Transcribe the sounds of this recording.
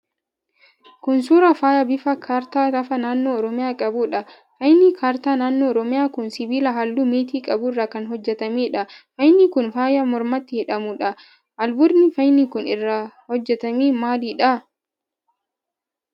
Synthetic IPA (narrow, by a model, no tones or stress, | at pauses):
kʊnsuːɾɐfaːjɐbɪfɐkʰaːɾt̪aːt̪ɐfɐnaːnːoːɔɾɔmɪjaːkʼɐbʊᶑɐ | fɐjnikʰaːɾt̪aːnaːnːoːɾɔmɪjaːkʊnsɪbiːlɐɦɐlːumeːt̪̬iːkʼɐbʊɪrːakɐnɦɔd͡ʒːɛt̪ɐmiːᶑɐfɐjnikʊnfaːjɐmɔɾmɐt̪ːɪhɪᶑɐmʊᶑɐ | ʔɐlbʊɾnɪfɐjnikʊnɪrːɐhɔd͡ʒːɛt̪ɐmiːmaːliːᶑɐ